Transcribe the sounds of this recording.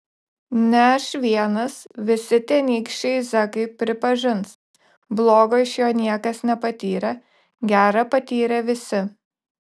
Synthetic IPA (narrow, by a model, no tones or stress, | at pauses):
nʲɛʃʲʋʲiɛnɐsʋʲɪsʲɪt̪ʲiɛnʲiːkʃʲt͡ʃʲɛɪzɐkɐɪpʲɾʲɪpɐʒʲɪns | blˠoːɡoɪʃjoːnʲiɛkɐsnʲɛpɐt̪ʲiːɾʲɛ | ɡʲæːɾɐpɐt̪ʲiːɾʲɛʋʲɪsʲɪ